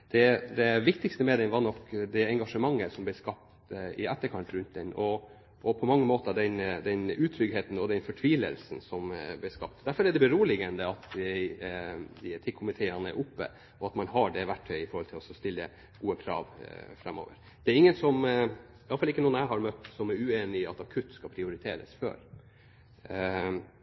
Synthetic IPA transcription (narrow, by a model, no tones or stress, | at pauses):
d̪̥ɛd̪ɛʋɪkt̪ɪkst̪əmɛːd̪ɛnʋɑnɔkd̪ɛɛŋɡɑʂəmɑŋːəsɔmblɛskɑp̚t̪ɪæt̪ːəɾkʰɑnt̪ɾʉnt̪̚d̪ɛnːɔ | ʔːpʰɔmɑŋːəmoːt̪əd̪ɛnd̪ɛnʉːt̪ʰɾʏɡɦeːt̪n̩ɔd̪ɛnfɔʈʰʋiːlə̰lsn̩sɔmblɛskɑp̚t̪d̪æɾfɔɾɛɖɛbɛɾuːəlɪɡənd̪əɑt̪æ | d̪ɪt̪ʰɪkʰʊmɪt̪ʰeːənəɛ̰ɾʔʊpːə̰ | ɔɑt̪mɑnɦɑɖɛʋæʈʰːœʏɪfɔɾhɔlt̪ʰɪlɔsɔst̪ɪlːə̰ | ɡ̥uːəkʰɾɑ̰ːʋfɾɛmːo̰ːʋə̰ɾ | d̪̥ɛæɾɪŋːənsɔm | ɪɑləfɑlɪkːənuːənæɪɦɑɾmœt̪ːsɔmæɾʉːeːnɪɑt̪ɑkʰʉt̪ːskɑpʰɾɪʊɾɪt̪ʰḛːɾə̰sfø̰ːɾ